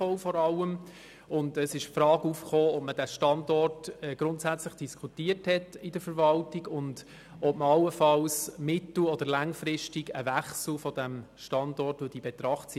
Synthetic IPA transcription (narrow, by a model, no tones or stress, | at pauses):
ɔʊfɔɾɑləm | ʊndəsɪʃpfɾɑːɡufχoːɔp̚məd̥æʃtɑndɔrtɛɡ̥ɾʊntsæt͡sləχd̥iskʰutiːəthɛtɪdəfəɾvɑltiɡʊnd | ɔp̚məɑlːəfɑlsmɪtl̩ɔd̥əɾlæŋfɾɪʃtiɡəvæχsl̩fɔd̥æmʃtɑndɔrtvod̥iːbɛt̪ɾɑχts